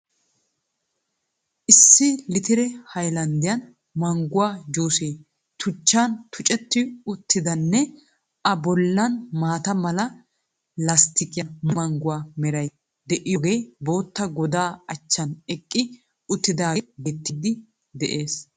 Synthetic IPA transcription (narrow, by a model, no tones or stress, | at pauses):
ʔɪsːɪlɪt̪ɪɾɛhɐjlɐnd̪ɪjɐn | mɐŋɡʊwaːd͡ʒuːseː | t̪ʰʊt͡ʃːaːnt̪ʰʊt͡ʃʼɛt̪ːɪʊt̪ːɪd̪ɐnːɛ | ʔɐbɔlːɐnmaːt̪ɐmɐlɐ | lɐst̪ɪkʼɪjɐmʊmɐŋɡʊwaːmɛɾɐj | d̪ɛʔɪjɔɡe̞ːbo̞ːt̪ːɐɡɔd̪aːɐt͡ʃːɐnɛkʼːɪ | ʊt̪ːɪd̪aːbɛt̪ːɪd̪ɪ | d̪ɛʔe̞ːs